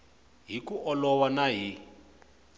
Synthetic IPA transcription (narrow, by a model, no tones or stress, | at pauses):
ɦikuʔɔlɔwanaɦi